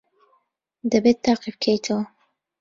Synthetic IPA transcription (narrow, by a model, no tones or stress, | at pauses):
d̪ɐbet̪ʰːaːqifkʰejt̪ʰəw